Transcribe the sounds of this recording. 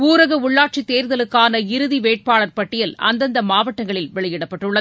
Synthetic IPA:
uːɾɐɣɐʊɭːaːʈ̚t͡ʃit̪ːeːɾðɐlɯkːaːnɐɪɾɯðiʋeːʈ̚paːɭɐɾpɐʈːɪjɐlɐ̰nd̪ɐnd̪ɐmaːʋɐʈːɐŋɡɐɭɪlʋɛɭɐjɪɽɐpːɐʈːɯɭːɐð

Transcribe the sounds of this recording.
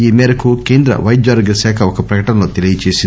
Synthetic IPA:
iːmɛːɾɐkukeːnd̪ɾɐ̰ʋɐjd͡ʒaːɾɡɐsaːkʰɐɔkɐpɾɐkɐʈɐnɐlo̞ːt̪elijɐt͡ʃeːsin

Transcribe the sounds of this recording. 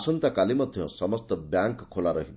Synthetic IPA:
sɔnt̪akalimʌd̪ʱjɔ̰̃sʌmʌst̪ɔbjaŋkkʰːolaɾʌɦib

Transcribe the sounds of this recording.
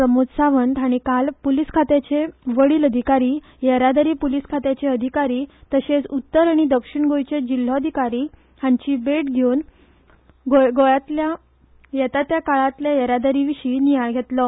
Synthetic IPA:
ɾəmod͡zsaʋənd̪aɽ̃ikalpuliskʰat̪et͡ɕeʋəɭiːləd̪ʱikaɾiː | jəɾad̪əɾiːpuliskʰat̪et͡ɕeəd̪ʱikaɾiːt̪əɕet͡sut̪ːəɾaɽ̃id̪əkʂiɳɡojt͡ɕed͡ʑil̤ːɔəd̪ʱikaɾiː | hãɲt͡ɕiːbeʈɡʱewn | ɡoɡojat̪lja | jɛt̪at̪jakaɭat̪ljajəɾad̪əɾiʋiɕiːnijajɡʱet̪lɔ

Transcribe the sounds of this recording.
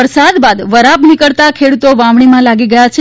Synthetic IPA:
əɾsad̪bad̪ʋəɾapnikəɭt̪akʰeɽut̪oʋãʋɳimãlaɡiɡəjat͡ʃʰe

